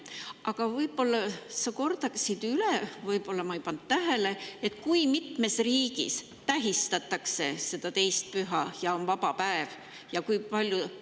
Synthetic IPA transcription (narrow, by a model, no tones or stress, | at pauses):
ʔɑɡ̥ɑvɤjbo̞lːɑsɑko̞rd̪̥ɑksid̪̥ylevɤjbo̞lːɑmɑijpɑnd̪̥t̪ːæɦe̞le̞et̪ːˑkujmit̪me̞sriːɡ̥ḭs | t̪æɦist̪ɑt̪ːˑɑkse̞se̞d̪̥ɑt̪ejst̪̚pyɦɑjɑonvɑb̥ɑpæev | jɑkujpɑlʲju